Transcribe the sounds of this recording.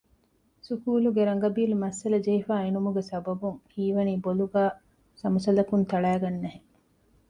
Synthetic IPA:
sukuːluɡeɾɐŋ̆ɡɐbiːlumɐsːɐlɐd͡ʒɐɦifaːenumuɡesɐbɐbuŋhiːʋɐniːboluɡaː | sɐmusɐlɐkunt̪ɐɭæːɡɐnːɐɦe

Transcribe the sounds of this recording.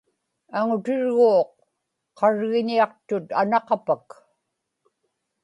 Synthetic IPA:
aŋʊt̪ɪɻɣoːqː | ɑɻɣɪniɑqt̪ʊt̪anɑqɑpak

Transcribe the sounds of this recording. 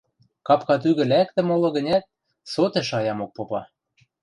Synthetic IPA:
kɑpkɑt̪̬yɣɘ̆læk̚t̪ɘ̆molɤ̆ɣə̆nʲæt̪̚ | sot̪eʃɑjɑmok̚popɑ

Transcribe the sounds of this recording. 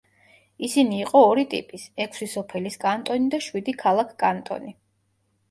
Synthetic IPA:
isiniːqʼɔːɾit̪ʼḭpʼisɛkʰsisɔpʰɛliskʼant̪ʼɔnid̪aʃwid̪ikʰalˠakʰkʼant̪ʼɔ̰ni

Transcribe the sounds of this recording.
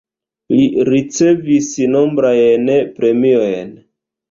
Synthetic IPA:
liɾit͡se̞visno̞mbɾajnpɾe̞miojn

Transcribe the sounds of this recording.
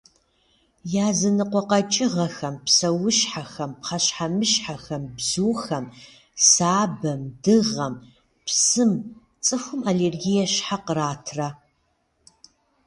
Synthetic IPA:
jaːzɐnɨqʷɔqɐt͡ʃʼɪʁɐxɐmpsɐwʊʃħaxɐmpχɐɕħamɨɕħaxɐmbzuːxɐm | saːbɐmdɨʁɐm | psɨm | t͡sʼɨxʷʊmaleːrɡijɛɕħaqəraːtʰrɐ

